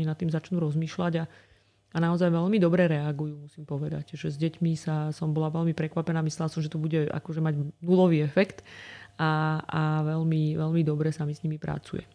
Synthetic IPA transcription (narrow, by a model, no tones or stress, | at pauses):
ɲinat̪ːiːmzat͡ʃnuːɾɔzmiːʃlaɟa | anaɔzajʋɛlmid̪ɔbɾɛɾɛaɡujumusiːmpɔʋɛd̪a̰cʒɛzɟɛcmisasɔmbɔlaʋɛʎmipɾɛkʋapɛnaːmislɛlasɔmʒɛt̪ɔbuɟɛʔa̰kɔʒɛmaɟnulɔʋiːɛfɛkt̪aaʋɛʎmiʋɛʎmid̪ɔbɾɛsamisɲimipɾa̰t͡sṵjɛ̰